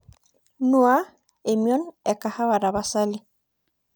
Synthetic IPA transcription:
nu˦a˦ | e˨mjɔ˦nɛ˨ka˨ha˦βa˨ɾaβa˨sali

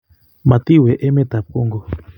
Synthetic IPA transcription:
ma˨t̪i˦wɛ˨ʔɛ˦mɛ˦t̪a˨p̚ku˦ŋɡɔ˨

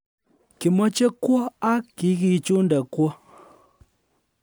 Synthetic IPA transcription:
ki˨mɔ˦t͡ʃɛ˦kwɔ˦a˦ki˨˦ɣi˨t͡ʃu˦n˦dɛ˨kwɔ˦

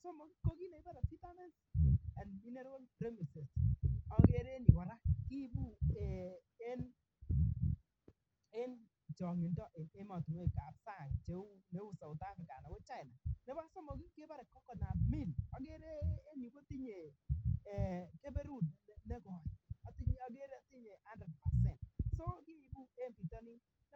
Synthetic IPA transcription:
sɔ˦mo˨ki˦ko˦ki˦ne˨ɪ˦ba˦ɾa˨fi˦ta˦mɛ˦nsa˨nmi˦ne˦ɾo˦lpɾe˦mi˨se˨sɔ˦ɡe˦ɾe˦ni˨wa˨ɾa˦ki˦bu˦e˨ | e˦n | e˦n | t͡ʃɔ˨ŋɪ˨ndɔ˦ʔɪ˨ne˦mɔ˨tu˨me˦˨ka˨p̚sa˦˨ŋt͡ʃe˨˦u˦ne˨˦wu˦sa˨wʊ˨t̪a˦fɪ˨ka˨na˨wɔ˦t͡ʃa˦ɪ˨na˨ne˦ba˦so˦mo˨ɡi˦ke˦ba˦ɾe˨kːɔ˦kɔ˨na˨mi˦˨nɔ˦ɡe˦ɾeː˦ni˨ko˦ti˦ɲe˨ | ke˦be˦ɾu˦˨dne˦ɡɔ˨ɔ˦tɔ˦ɡe˦ɾe˦ti˦ɲe˨a˦ndɾe˨d̚pa˨sɛ˦˨nt̚so˦ki˦˨˦bu˦e˦n˦pi˨tɔ˦ni˦ | n˦

